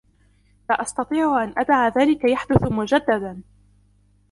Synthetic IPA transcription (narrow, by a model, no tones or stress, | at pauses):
laʔɑst̪ɑt̪ˤiːʕʊʔanʔad̪ʕaðaːlɪkajaħd̪ʊθʊmʊd͡ʒad̪ːad̪an